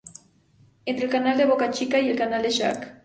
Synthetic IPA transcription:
ent̪ɾelkanaleβokat͡ʃikajelkanaleʃa̰k

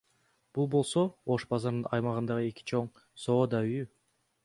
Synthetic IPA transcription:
b̥ulˠbo̞lˠso̞oʃbɑzɑɾnɯnɑjmɑʁɯnd̪ɑʁɯe̞ki̥t͡ʃʰo̞ɴ | so̞ːd̪ɑyjy

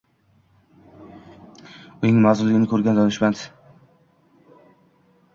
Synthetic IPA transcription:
ʊnɪŋmazɪlːɪɡʲɪnɪkʰɵɾɡʲand̪ɒnɪʃmant̪

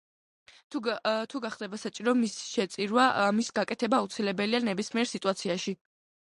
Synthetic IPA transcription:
t̪ʰut̪ʰuɡaχd̪ɛbasat͡ʃʼiɾɔmisʃɛt̪sʼiɾwamisɡakʼɛt̪ʰɛbaːut̪sʰilɛbɛlianɛbismiɛɾsit̪ʼuat̪sʰiaʃi

